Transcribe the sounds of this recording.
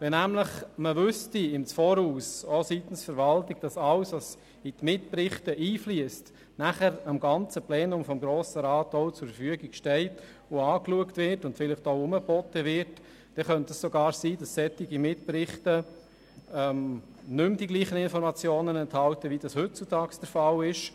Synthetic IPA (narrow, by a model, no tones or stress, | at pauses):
ʋɛnæmləχməʋʏstiɪmt͡sfɔːɾuːsositən̩sfəɾʋɑltɪɡ̥̚d̥ɑsɑwsʋɑs | itmɪtprɪχtəʔiːfliəst | næχəɾɑmɡɑnt͡səplɛːnʊmfɔmɡɾoːsəɾɑːtɔʊt͡sʊɾfəɾfyəɡɪkʃtɛɪt | oɑːkluəktʋɪɾtʊntfɪləχtoʊʊməbɔtəʋɪɾt | d̥ɛχœntəssoɡɑːɾsiːdɑsːɛtɪɡimɪtprɪχtə | ɛm | nʏmdiɡliːχənɪnfɔɾmɑt͡sjoːnənɛnthɑltəʋid̥ɑshɵt̚t͡sutʰɑːksd̥əɾfɑlɪʃ